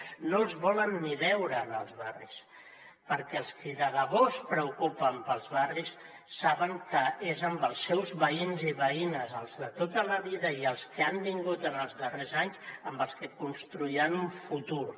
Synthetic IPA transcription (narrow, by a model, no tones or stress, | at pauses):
nolˠzβɔlənːiβɛwɾəːnəlˠzβarḭs | pəɾkɛəlˠskiðəɣəβospɾəukupəmpəlˠzβarisː | aβəŋkəezəmbəlˠsɛwzβəinziβəinəzəlˠzðət̪ot̪ələβiðəiəlˠskiambiŋɡut̪ənəlˠzðərezaɲzəmbəlˠskəkunst̪ɾuianuɱfut̪uɾ